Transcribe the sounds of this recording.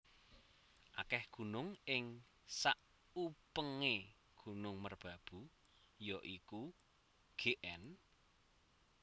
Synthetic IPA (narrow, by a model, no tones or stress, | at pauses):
ʔa̰kɛhɡ̥ṳnʊŋɪŋ | saʔ | upəŋe | ɡ̥ṳnʊŋmərb̥a̤b̥u | jɔʔiku | ɡ̥eʔɛn